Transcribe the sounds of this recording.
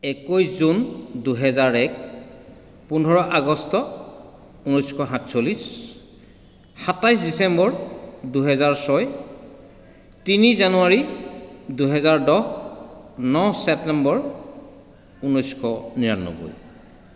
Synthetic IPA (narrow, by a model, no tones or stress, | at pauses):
ɛkojszunduɦɛzaɹɛk̚ | pundʱɔɹɔʔaɡɔstɔ | unɔjskʰɔɦãtsolis | hatajsdisɛmbɔɹduɦɛzaɹsɔj | tinizanuaɹi | duɦɛzaɹdɔɦ | nɔsɛp̚tɛmbɔɹ | unɔjskʰɔniɹa̰nːo̰ɡo̰j